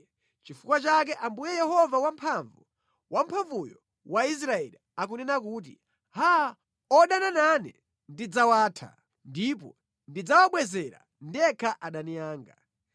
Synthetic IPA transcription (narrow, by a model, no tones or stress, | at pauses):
t͡ʃifukwat͡ʃak̬ɛʔambujɛjɛhɔvawam̩pʰaɱvu | wʔampʰaɱvujɔ | wais̬ɾaɛliakunɛnakuːt̬ḭ | ha | ɔɗanananɛ | ndid͡zawaːtʰa̰ | ndip̬ɔ | ndid͡zawaɓwɛzɛɾa̰ | ndiɛkʰaʔaɗanijaːŋɡa